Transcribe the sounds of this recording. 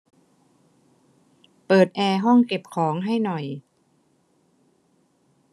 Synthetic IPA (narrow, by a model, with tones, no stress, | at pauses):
pɤː˨˩t̪̚ʔɛː˧ɦɔ˥˩ŋke˨˩p̚kʰɔː˩˦ŋɦa˥˩jnɔ˨˩j